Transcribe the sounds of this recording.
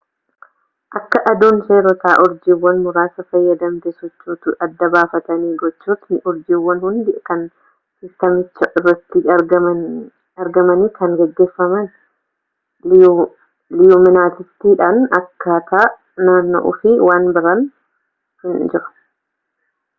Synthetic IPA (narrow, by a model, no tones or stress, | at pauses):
ʔɐkːɐʔɐd̪uːnseːɾɔt̪aːʔʊɾd͡ʒiːwːɐnmʊɾaːsɐfɐjːɐd̪ɐmt̪ɛsɔt͡ʃːuːt̪ʊʔɐd̪ːɐbaːfɐt̪ɐniːɡɔt͡ʃːuːt̪nɪʔʊɾd͡ʒiːwːɐnhʊnd̪ɪkɐn | sɪst̪ɐmɪt͡ʃːɐʔɪrːɐt̪ːɪɡɐɐ | ɐɾɡɐmɐniːkɐŋɡɛɡːe̞ːfːɐmɐn | lɪjumɪnaːt̪ɪst̪iːᶑanɐkːɐt̪a | naːnːɔ̰ʔʊ̰fɪwaːnbɪɾɐn | hʊnd͡ʒɪɾɐ̥